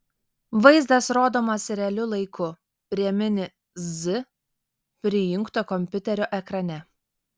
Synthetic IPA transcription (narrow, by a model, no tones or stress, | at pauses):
ʋɐɪzd̪ɐsɾoːd̪oːmɐsɾʲɛɐlʲʊlˠɐɪkʊ | pʲɾʲiɛmʲɪnʲɪ | zɪ | pʲɾʲɪjɪŋˑkt̪oːkɔmʲpʲʊt̪ʲɛɾʲoːʔɛkɾɐnʲɛ